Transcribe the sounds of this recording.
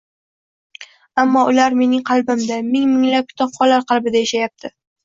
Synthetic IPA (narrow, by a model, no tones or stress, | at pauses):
amːɒʊlaɾme̞nɪŋqʰɑlˠbɪmd̪amɪŋmɪŋlap̚kʰʲʊ̥t̪ʰɒpχɒlːaɾqɑlˠbɪd̪ajaʃajap̚t̪ʰɪ